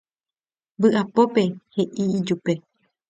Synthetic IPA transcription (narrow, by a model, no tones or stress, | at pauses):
bɨʔapo̞pe̞he̞ʔid͡ʒupe̞